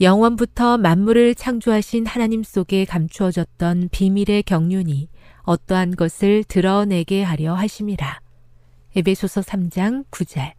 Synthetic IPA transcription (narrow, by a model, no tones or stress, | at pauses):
jʌŋwʌnbutʰʌmanːuɾɯɭt͡ɕʰaŋd͡ʑuɦaɕʰinhanaɲims͈oɡe̞kamt͡ɕʰuʌd͡ʑʌt̚t͈ʌnpimiɾe̞kjʌŋɲuɲiʌt͈ʌɦanɡʌsʰɯɭtɯɾʌne̞ɡe̞ɦaɾjʌɦaɕʰimiɾa | e̞be̞sʰosʰʌsʰamd͡ʑaŋkud͡ʑʌɭ